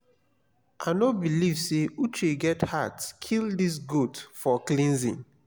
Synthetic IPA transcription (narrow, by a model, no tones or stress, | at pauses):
ʔanobilivseut͡ʃeɡɛthatskʰildis̬ɡudfɔklĩnzḭ̃n